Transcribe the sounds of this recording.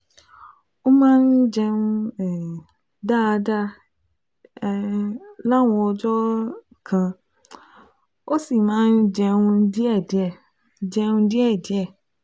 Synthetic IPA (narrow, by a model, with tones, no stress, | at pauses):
o˦mãː˦n̩˦d͡ʒɛ˧nũ˦ɛ˨ | da˦˨da˦ | la˦wɔ̃˨˧ɔ˧d͡ʒɔ˦ | kʰã˧ | o˦si˦˨mãː˦n̩˦d͡ʒɛ˧ŋũ˧di˦ɛ˦˨di˨ɛ˦˨ | d͡ʒɛ˧ŋũ˧di˦ɛ˦˨di˨˦ɛ˦˨